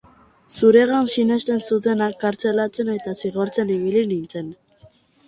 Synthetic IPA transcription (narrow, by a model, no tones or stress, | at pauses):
suɾe̞ɣansine̞st̪e̞nsut̪̬enakːaɾt͡se̞lat͡se̞ne̞t̪asiɣo̞ɾt͡se̞niβ̞ilinint͡se̞n